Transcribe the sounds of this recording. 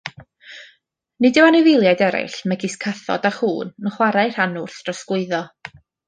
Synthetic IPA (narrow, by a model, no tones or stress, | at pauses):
nɪdɪwanɪvɪlˠjajdɛɾɪ̰ɬmɛɡɪskʰaθɔ̰daχuːnnəχwaɾaɨr̥anʊrθd̥rɔsɡ̥wʊɨðɔ